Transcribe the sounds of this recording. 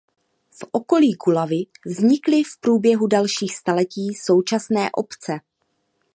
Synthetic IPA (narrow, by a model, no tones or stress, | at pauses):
fʔo̞ko̞liːɡulavɪvzɲɪklɪfpɾuːbjɛɦudalʃiːxst̪alɛciːso̞wt͡ʃasnɛːʔo̞̰pt͡sɛ